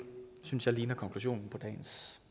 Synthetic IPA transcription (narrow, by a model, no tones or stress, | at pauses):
synsjɑ̈liːnɐkʰɒ̽ŋkʰluɕ̬o̰ːnn̩pʰɒ̽d̥ɛ̰ːns